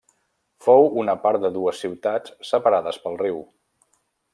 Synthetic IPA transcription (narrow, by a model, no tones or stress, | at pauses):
fowunəpaɾt̪̚d̪əðuəsːiwt̪at͡sːəpəɾaðəspəlˠriw